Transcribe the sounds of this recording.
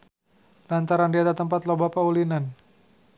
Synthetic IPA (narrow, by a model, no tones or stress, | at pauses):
lant̪aɾandiat̪at̪əmpat̪lobapaulinan